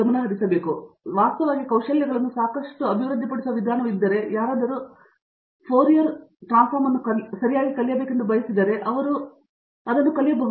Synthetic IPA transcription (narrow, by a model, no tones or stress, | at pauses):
ɐmɐnːɐɦɐɾisɐbe̞ːkuʋaːst̪ɐʋaːɡikɐwʂɐljɐɡɐɭɐnːusaːkɐʂʈuɐbʱiʋɾud̪ʱːipɐɽisuʋɐʋid̪ʱaːnɐʋid̪ːɐɾe̞jaːɾaːd̪ɐɾu | pʰoːɾijɐɾʈɾaːnspʰaːɾmɐnːukɐsɐɾijaːɡikɐɭijɐbeːkend̪ubʱɐjɐsid̪ːɐːɾe̞ʔɐʋɐɾu | ɐd̪ɐnːukɐlijɐbɐɡ